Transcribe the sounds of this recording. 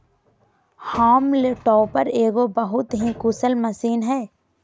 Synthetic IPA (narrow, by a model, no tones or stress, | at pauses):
haːmleʈɔːpəɾeːɡobɐɦʊt̪ɦikʊsəlmɐsiːnɦɛː